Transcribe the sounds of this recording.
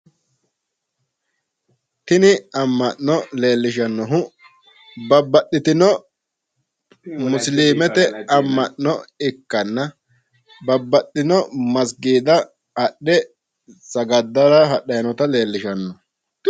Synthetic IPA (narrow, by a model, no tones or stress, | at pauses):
t̪ɪnɪɐmːɐʔnɔle̞ːlːɪʃɐnːɔɦʊ | bɐbːɐɗːɪt̪ɪnɔ | mʊsliːmɛt̪ɛɐmːɐʔnɔɪkːɐnːɐ | bɐbːɐɗːɪnɔmɐs̬ɡiːd̪ɐ | ɐɗːɛ | sɐɡɐd̪ːɐɾɐɦɐɗɐjnɔt̪ɐle̞ːlːɪʃɐnːɔ